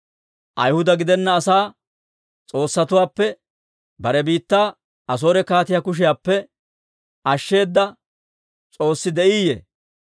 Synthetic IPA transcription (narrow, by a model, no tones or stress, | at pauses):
ʔɐjhʊd̪ɐɡɪd̪ɛnːɐːsaː | t͡sʼo̞ːsːɐt̪ʊwaːpːɛ | bɐɾɛbiːt̪ːaː | ɐs̬o̞ːɾɛkaːt̪ɪjakʊʃ̬ɪjaːpːɛ | ɐʃːe̞ːd̪ːɐ | t͡sʼo̞ːsːɪd̪ɛʔiːjḛ